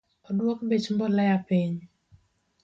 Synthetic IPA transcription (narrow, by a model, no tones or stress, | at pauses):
ɔdwɔkbet͡ʃmbɔlɛjapiɲ